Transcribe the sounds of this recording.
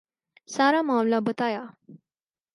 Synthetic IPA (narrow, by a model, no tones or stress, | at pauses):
saɾamãwlabət̪aja